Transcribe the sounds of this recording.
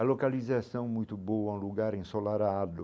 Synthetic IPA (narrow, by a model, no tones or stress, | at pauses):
ɐlokalizasɐ̃w̃mũj̃t̪ʊbowɐũluɡaɾẽsolaɾad̪ʊ